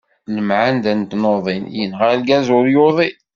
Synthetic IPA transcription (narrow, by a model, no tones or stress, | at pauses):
ləmʕand̪ænt̪noðˤinjənʁalɡæzʊɾjoðˤi